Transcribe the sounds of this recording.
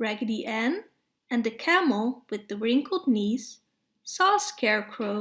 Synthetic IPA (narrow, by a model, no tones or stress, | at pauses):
ɹæɡɨɾiʔɛ̃n | ɨ̃nðɨkʰæml̩ˠwɨðɨɹɪ̃ŋkʰl̩ˠdⁿnisː | ɔskʰɛɹkʰɹ̥oʊ